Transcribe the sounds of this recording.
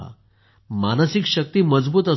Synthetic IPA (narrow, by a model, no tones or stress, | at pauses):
a̰ | manəsikɕək̚t̪iːməd͡zbuːt̪ə